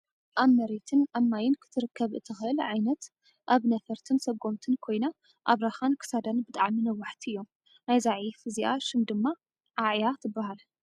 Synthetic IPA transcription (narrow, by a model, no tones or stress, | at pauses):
ʔaβmɐɾet̪ʰɨnʔamːajɪnkʰɨ̥t̪ʰɨɾɨkːɐβɨ̰t̪ʰːɨxɨʔɨlʕajnɐt̪ | ʔaβnɐfɐɾt̪ʰɨnsɐɡo̞mt̪ʰɨnkʰo̞jna | ʔaβɾaxankʰɨ̥sad̪anbɨt̪ʼaʕminɐwːaħt̪ʰiɨjːo̞m | najzaʕifɨziʔaʃɨmd̪ɨmːa | ʕaʕjat̪ʰɨbːahal